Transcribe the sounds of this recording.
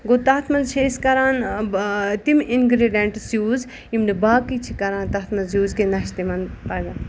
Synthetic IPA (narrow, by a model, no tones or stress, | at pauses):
ɡot̪aːt̪ʰmɐlt͡ʃʰeskɐɾaːn | t̪iminɡɾeɖjɐɳʈsjuːz | imnibaːkit͡ʃʰikɐɾãːnt̪ɐːt̪ʰmɐlzjuːzkenɐʃt̪emɐnpɐɾd̪ɐ